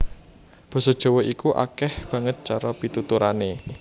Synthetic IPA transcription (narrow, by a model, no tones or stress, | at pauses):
b̥ɔ̤sɔd̥ʒ̥ɔ̤wɔʔikuʔa̰kɛhb̥ä̤ŋət̪̚t͡ʃaɾɔpit̪ut̪uɾane